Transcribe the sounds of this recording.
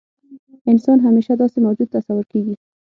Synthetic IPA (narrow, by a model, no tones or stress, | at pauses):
ɪnsɑnɦameʃad̪ɔst̪ɪmawd͡ʒud̪̚t̪ːasawʊɾkeɡi